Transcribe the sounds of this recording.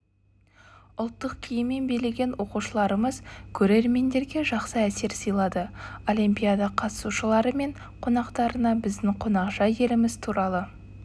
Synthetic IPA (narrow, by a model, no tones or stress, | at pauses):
ʊlˠt̪ːəqkʲʰijɪmːe̞nbejleɡʲe̞nwo̞quʃəlˠɑɾəməzkʲʰɵɾe̞ɾme̞nd̪e̞ɾɡʲe̞ʒɑqsəæse̞ɾsijlˠɑd̪əo̞limpʲijad̪ɑqʰɑt̪ə̥suʃəlˠɑɾəme̞ɴ | qʰo̞nɑqt̪ɑɾənɑbɪzd̪ɪŋqʰonɑqʒɑje̞lɪmɪz̥t̪ʰuɾɑlˠə